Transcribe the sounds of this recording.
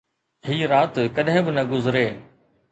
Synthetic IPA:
hiːɾaːt̪kɐɗɦɪ̃bɪnɐɡʊzɪɾeː

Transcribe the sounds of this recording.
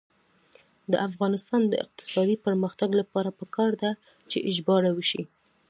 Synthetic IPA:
d̪ə̰ʔafɣɑnɪst̪ɑnd̪ə̰ɪ̰q̚t̪ɪ̥sɑd̪ipəɾməxt̪aɡlapɑɾapəkɑɾd̪a | t͡ʃeʔɪd͡ʒbɑɽawəʃi

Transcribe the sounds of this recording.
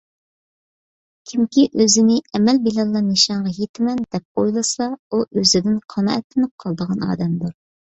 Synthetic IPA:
kʲʰimkʲiʔøzɪnɪɛmɛlbilɑlˠːɑnɨʃɑɴʁɑɦet̪ʰɪmɛnd̪̥ɛp̚ojlˠɨsɑuʔøzɪd̪ɪnqʰɑnɑ̰ʔɛt̪lɪnɪp̚qʰɑlˠd̪əʁɑnɑ̰ːd̪ɛmd̪uɾ

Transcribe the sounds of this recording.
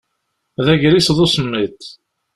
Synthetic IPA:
ðæʝɾisðˤʊsəmːit̪

